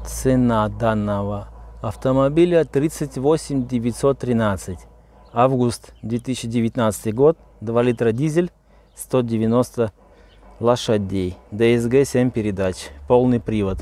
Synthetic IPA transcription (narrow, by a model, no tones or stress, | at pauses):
t̪sɛnad̪anːəvəɐft̪əmɐbʲilʲət̪ɾʲit̪sɨtʲvosʲɪmʲdʲɪvʲɪtʲsot̪ːɾʲɪnat̪sɨtʲ | avɡust̪d̪ʲvʲet̪isɪɕːɪdʲɪvʲɪt̪ʲnat̪sɨ̥t̪ɨjɡot̪̚ | d̪valʲit̪ɾədʲizʲɪlʲ | st̪odʲɪvʲɪno̞st̪ə | lˠɐʂɐdʲejd̪ɛɛzɡɛsʲemʲpʲɪɾʲɪd̪at͡ɕpolˠnɨjpɾʲivət̪